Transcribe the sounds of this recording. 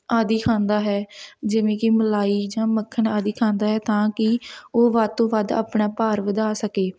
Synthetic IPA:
aːd̪iːkʰãːnd̪aːɦɛːd͡ʒɪʋẽːkɪməlaːiːd͡ʒãːməkʰːənaːd̪iːkʰãːnd̪aːɦɛːt̪ãːkɪoːʋad̪̚t̪õːʋəd̪a̰ːpɳaːpaːɾʋəd̪aːsəkeː

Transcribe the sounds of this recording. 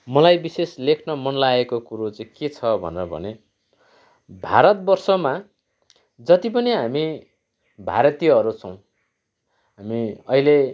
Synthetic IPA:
mʌlajbiseslekʰnʌmʌnlaekokuɾot͡sʌĩket͡sʰʌbʱʌ̰neɾʌbʱʌ̰ne | bʱaɾʌt̪̚bʌrsʌma | d͡zʌt̪ipʌniɦami | bʱa̰ɾʌt̪ijʌʌɾut͡sʰʌw̃ | ɦamiʌile

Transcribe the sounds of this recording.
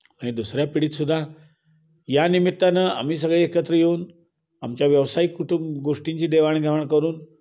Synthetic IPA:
maɽ̃ed̪usɾjapiɽiːt̪sud̪ʱːa | janimit̪ːanaa̰m̤iːsəɡɭeekət̪ɾəjeuːn | amt͡ɕjaʋjəʋsajikuʈumbɡoʂʈiɲt͡ɕiːd̪eʋaɳ̃ɡʱɛʋaɳ̃kəɾuːn

